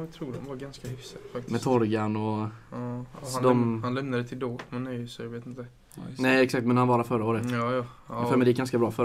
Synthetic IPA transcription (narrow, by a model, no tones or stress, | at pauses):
t̪ʰɾuːdɔmvaɡanskahʏfsafakt̪ɪmɛt̪ʰɔɾɡanɔ | d̪ɔmhanlɛmnad̪ɛt̪ʰɪld̪oːɡʰɔmɛnœsjɑɡveːt̪ɪnt̪ə | nɛɛksakt̪mɛnhanvɑːɾafœɾaoːɾət̪ːjɑ | ɛfɛɾmɛd̪jɪkːɡanskabɾɑːfœ